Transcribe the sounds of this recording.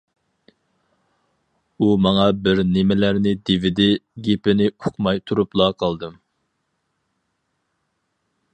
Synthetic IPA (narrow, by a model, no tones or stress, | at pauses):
umɑŋɑbɪɾnɪmɪlæɾnɪd̪evɪd̪ɪɡʲepɪnɪoqʰmɑjt̪ʰuɾuplˠɑqʰɑlˠd̪ɨm